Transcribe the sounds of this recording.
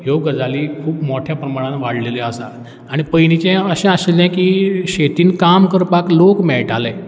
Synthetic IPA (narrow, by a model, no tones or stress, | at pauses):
joɡəd͡zaliːkʰuːpmɔʈʰjapɾəmaɽ̃ãnʋaɽ̤leleəsa | aɽ̃ipəjnit͡ɕẽəɕɛ̃aselɛ̃kiːɕet̪iːnkamkəɾpaklokmɛɭʈʰalẽ